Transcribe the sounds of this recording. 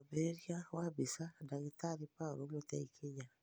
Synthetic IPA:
beɾeɾjawabisadaɣit̪aɾipaɾoɡot̪aikʰeɲa

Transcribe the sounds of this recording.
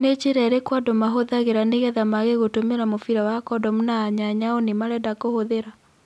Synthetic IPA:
net͡ʃeɾɛɾekwadɔmaɦoðaɣeɾaneɣɛðamaɣeɣotomeɾamofiɾawakɔdɔmunaːɲaɲaɔnemaɾɛdakohoðeɾa

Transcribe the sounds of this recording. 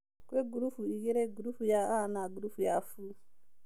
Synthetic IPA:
keɡuɾufuijɛɾɛɡuɾufujaanaɡuɾufujafulu

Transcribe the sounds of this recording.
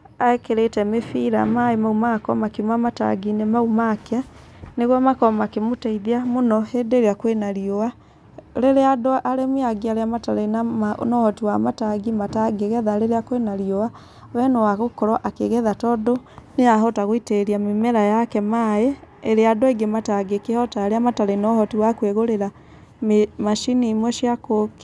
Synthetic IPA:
aekeɾetɛmefiɾa̰maemaumakɔ̰makimwamata̰ɡinemaumakɛ | neɣamakɔmakemotaiðiamonɔhedeɾeakwenaɾioa | leɾeadoʔaɾemiaɡiaɾeamataɾenanɔɔtiwamataɡimataɡeɣɛðaɾeɾeakwenaɾiɔwa | wɛnɔwaɣokɔɾɔʔakeɣɛðatɔdoneaɦɔtaɣoiteɾiamemɛɾajakɛmae | eɾeadoeɡemataɡekehɔtaːɾeamataɾeinɔhɔtiwakweɣoɾeɾa | memaʃinimwɛʃiakoke̥

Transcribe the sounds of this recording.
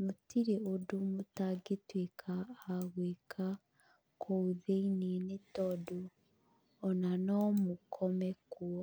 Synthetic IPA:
mutiɾiodumutaɡitwiːkʰaːɣweːkʰa | kʰouðeininetoduː | nanomukʰomekuwo

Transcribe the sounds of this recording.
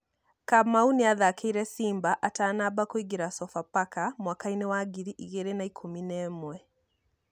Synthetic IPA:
kamauneaðakeiɾɛsiːmbaʔataːnabakoiɡeɾasɔfapakamwakainewaɡiɾiʔiɣeɾenaikʰominɛːmwɛ

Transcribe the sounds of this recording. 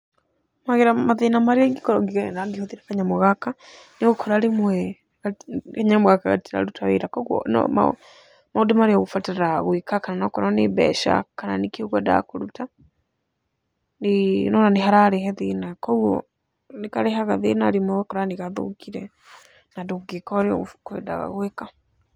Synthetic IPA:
maɣeɾamaðenamaɾeɛŋɡekɔɾɔŋɡiɣɛnaŋɡehoðiɾakaɲamoɣakaneɣokʰɔɾaɾemwɛ | ɣaɣaɲamoɣakaɣa̰tiɾa̰ɾutawḛɾakɔɣwɔ̰nɔ̰ma̰ | maodemaɾeaɣofɔtaɾaɣwikakananɔkɔɾɔnebɛ̰ʃa̰kananekioɣɔda̰koɾuta | nenɔnaneɦaɾaɾeɦɛðenakɔɣɔ̰ | nekaɾɛɦaɣaðenaɾemwɛwɛkɔɾaniɣaðo̰kiɾɛ | nadoɡekɔɾeɔ̰ɣkɛda̰ɣa̰ɣweka

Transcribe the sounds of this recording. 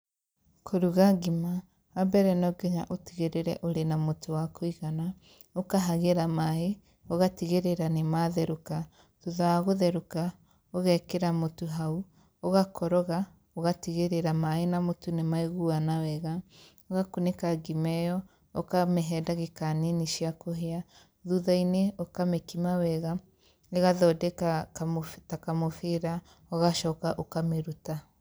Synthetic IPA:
kʰoɾuɣaɡimaː | bɛɾɛnɔɡɛɲaʔotiɣeɾeɾɛʔoɾenamotowakʰoiɣana | okaɦaɣeɾamaɦe | oɣatiɣeɾeɾanemaðɛɾuka | tuðaaɣoðɛɾuka | oɣɛkeɾamotuɦau | oɣakʰɔɾɔɣa | oɣatiɣeɾeɾamaenamotunemaeɣuanawɛɣa | oɣakunekaɡimɛjɔ | okameɦɛːdaɣekaneniʃiakoɦea | ðuðaineokamekimawɛɣa | neɣaðɔdɛka | takamofeɾa | oɣaʃɔkaʔokameɾuta

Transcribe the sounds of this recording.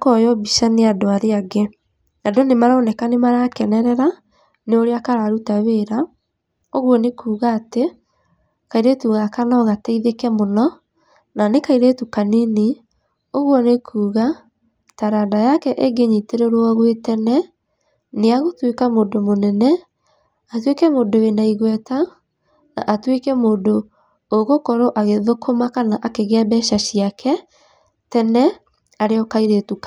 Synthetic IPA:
kɔjɔbiʃaneadoaɾeaɡe | adonemaɾaonɛkanemaɾakɛnɛɾɛɾa | neoɾeakaɾaɾutaβeːɾa | oɣwɔnekuːɣaːte | kaiɾetuɣakanɔɣataiðekɛmonɔ | nanekaiɾetukanini | oɣwɔnekʰuːɣa | taɾaːdajakɛʔeɡeɲiteɾeɾwɔɣwetɛnɛ | neaɣotwekamoːndomonɛnɛ | atwekɛmoːdowenaiɣwɛta | na̰ʔatwekɛmoːndo | oɣokɔɾoʔaɣeðokʰomakanaʔakeɣeɛbɛʃaɕiakʰɛ | tɛnɛ | aɾeɔkaiɾetuk

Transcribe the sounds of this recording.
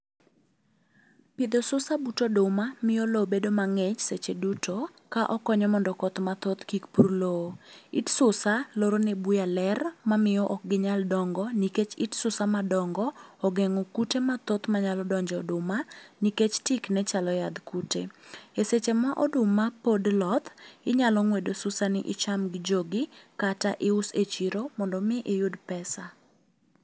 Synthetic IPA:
pɪd̪osʊsabutodʊmamɪjɔlobedomaŋɛt͡ʃset͡ʃedutʰokaʔɔkɔɲɔmɔndɔkɔt̪mat̪ot̪kikpurloitsʊsaloɾonɛbujalɛrmamɪjɔʔɔk̚ɡɪɲaldɔŋɡɔniket͡ʃitsʊsamadɔŋɡɔɔɡɛŋɔkutemat̪ot̪maɲalɔdɔɲd͡ʒɛɔdʊmaniket͡ʃtiknɛt͡ʃalɔjad̪kutḛeset͡ʃemaʔɔdʊmapodlɔt̪ɪɲalɔŋwedosʊsanɪʔɪt͡ʃamɡɪd͡ʒoɡɪkataʔɪʊset͡ʃiɾomɔndɔmɪʔɪjʊdpɛsa

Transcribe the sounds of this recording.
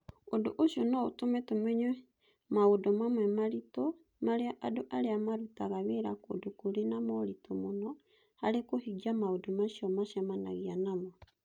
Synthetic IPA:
odoʔoʃiɔnɔotomɛtomɛɲɛ | maodɔmamwɛmaɾito | maɾeaʔadoʔaɾeamaɾutaɣaβeɾako̰dokoɾenamɔɾitomonɔ | haɾekohiɣiamaodomaʃjɔmaʃjamana̰ɣianamɔ

